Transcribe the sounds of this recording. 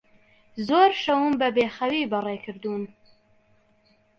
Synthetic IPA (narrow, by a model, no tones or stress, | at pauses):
zoɾʃawumbəbexawibarekəɾd̪un